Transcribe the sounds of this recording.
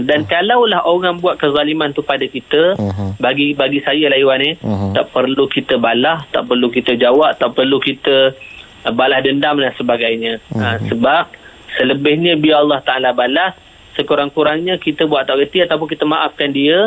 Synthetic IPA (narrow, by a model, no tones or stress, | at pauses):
dankalawlahoɣaŋbuaʔ̪̚kəzalimant̪upadakit̪əbaɡibaɡisajəlaiwanit̪a̰ʔpərlukit̪əbalaht̪a̰ʔpərlukit̪əd͡ʒawaʔt̪apərlukit̪ə | balahdəndamlansəbaɡajɲə̃əsəbap̚ | sələbɪhɲə̃biaɑlˠːɑht̪aalabalas | səkuɾaŋkuɾaŋɲə̃kit̪əbuaʔ̪̚t̪aʔɡət̪iat̪awp̬ʊnkit̪əmaʔafkandiə